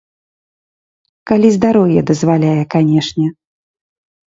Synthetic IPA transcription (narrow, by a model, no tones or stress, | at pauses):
kalʲizd̪aɾɔwjɛd̪ɐzvalʲajɛkanʲɛʂnʲɛ